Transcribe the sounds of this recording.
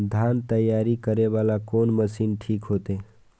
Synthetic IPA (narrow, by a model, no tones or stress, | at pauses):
d̪ʱant̪əjaɾikəɾebalakonməsinʈʰikɦot̪e